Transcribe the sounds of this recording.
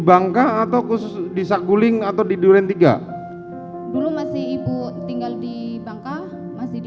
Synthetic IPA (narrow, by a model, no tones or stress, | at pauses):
baŋkaːt̪awkusʊsdisak̚ɡulɪŋat̪awdiduɾɛnt̪iɡa̰ | dulumasɪhibut̪iŋɡaldibaŋka | masɪ